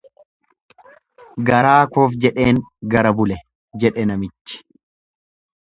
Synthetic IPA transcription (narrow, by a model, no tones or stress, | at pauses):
ɡɐɾaːkoːfd͡ʒɛᶑe̞ːŋɡɐɾɐbʊlɛ | d͡ʒɛᶑɛnɐmɪt͡ʃːɪ̥